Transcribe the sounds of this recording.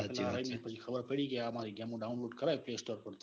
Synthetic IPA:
pɛlaɾaimepət͡ʃʰixʰɐbəɾpəɽikeamaɾiɡjamõɖaʊnloːɖkəɾajpleːsʈoɾkəɾt̪

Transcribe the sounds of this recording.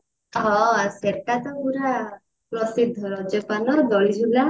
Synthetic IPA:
ɦɔ̃aseɾkat̪ɔuɾa | pɾɔsid̪ʱːɔɾɔd͡ʒɔpanɔd̪ɔɭid͡ʒʱula

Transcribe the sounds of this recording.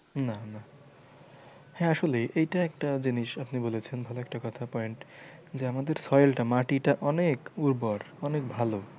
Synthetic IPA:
nana | hɛ̃aʃoleʔejʈaɛkʈad͡ʑiniʃapnibolet͡ɕʰenbʱaloɛk̚ʈakɔt̪ʰapɔjɳʈd͡ʑeamad̪eɾsɔjlʈamaʈiʈaʔɔnekuɾbɔɾ | ɔnekbʱalo

